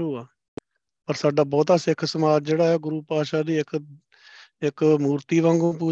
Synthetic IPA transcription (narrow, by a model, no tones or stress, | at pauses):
uːaː | pəɾsaːɖaːbɔːt̪aːsɪkʰsəmaːd͡ʒd͡ʒeːɽaːɛːɡʊɾuːpaːʃaːd̪iːɪk | ɪkmuːɾt̪iːʋãːŋɡõːp̬uː